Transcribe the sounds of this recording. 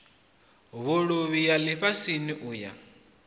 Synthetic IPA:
βoɺuβijaliɸasiniʔuːja̰

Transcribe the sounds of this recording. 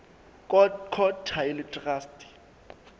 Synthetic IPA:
kʰɔtʰaɪlɪtʼraːstʰʼɪ̥

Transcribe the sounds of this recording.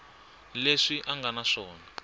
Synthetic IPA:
leʂiʔaŋɡanaʂɔːna

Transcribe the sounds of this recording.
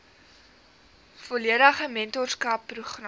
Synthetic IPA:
fɔliədəχəmɛntɔrskɐpːruχr

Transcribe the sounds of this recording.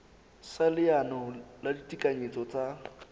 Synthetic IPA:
salɪanɔladitʼikʼaɲet͡sʼɔt͡sʼa

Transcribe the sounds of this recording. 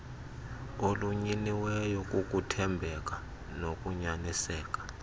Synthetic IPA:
oluɲiniwɛjɔkʼukʼutʰɛmbʱɛk̬ʼa | nok̬ʼuɲanisɛːk̬ʼḁ

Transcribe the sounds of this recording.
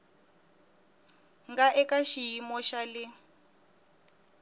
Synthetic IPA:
ŋɡaʔɛkaʃijimɔʃalɪ

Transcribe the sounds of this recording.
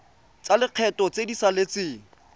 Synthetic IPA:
t͡salɪq͡χʰɛtɔt͡sedisalet͡sɪːŋ̩

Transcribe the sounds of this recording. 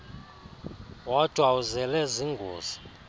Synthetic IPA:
wɔtwauzɛlɛziŋɡʱoːz̥i̥

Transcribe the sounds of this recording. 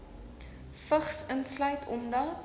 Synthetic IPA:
fəχsənslœɥtʰɔmdɑ

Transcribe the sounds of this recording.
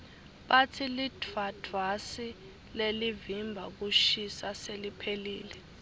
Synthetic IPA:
ɓatʰilidʱvad̥ʱvasi | lelivimbʱak̬uʃisaselipʰelḭːlɛ

